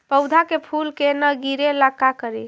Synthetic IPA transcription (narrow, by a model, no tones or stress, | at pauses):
pəwd̪ʱakepʰulkenəɡiɾeləkakəɾi